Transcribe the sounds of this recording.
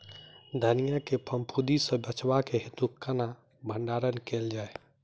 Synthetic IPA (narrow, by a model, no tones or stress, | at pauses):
d̪ʱənijakepʰəmpʰud̪isə̃bət͡ʃbakeɦit̪ukəna | bʱəɳɖaɾənkeld͡ʒae